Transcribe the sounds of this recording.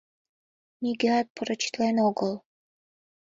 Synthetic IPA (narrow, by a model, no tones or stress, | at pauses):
mʲiɡeɑt̪̚pəɾə̆t͡ɕi̥t̪lenoɡəl